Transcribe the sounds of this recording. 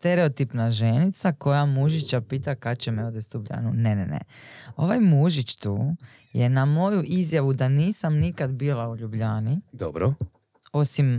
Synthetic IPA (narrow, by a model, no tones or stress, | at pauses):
st̪eɾe̞ot̪ipnaʒe̞nit̪sako̞jamuʒit͡ɕapiːt̪akat̪t͡ɕemeod̪est̪ubʎa̰nunenḛnḛo̞̰ʋajmuʒit͡ʃt̪uː | jenamo̞juʔizjaʋud̪aniːsamnikad̪biːlauʎubʎaːnid̪obɾo | o̞sim